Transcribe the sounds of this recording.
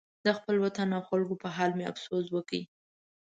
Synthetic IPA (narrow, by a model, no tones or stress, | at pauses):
d̪əxpəlwat̪anawxalɡopəɦɑlmea̰fsozwəki